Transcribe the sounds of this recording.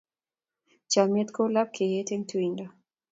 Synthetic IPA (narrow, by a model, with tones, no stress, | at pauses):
t͡ʃa˨mje˦t̪ko˦la˦p̚kʰe˨je˦te˦ŋtʰuinda